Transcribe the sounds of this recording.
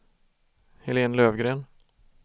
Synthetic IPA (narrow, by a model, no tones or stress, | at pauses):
hɛleːnløːvɡɾeːn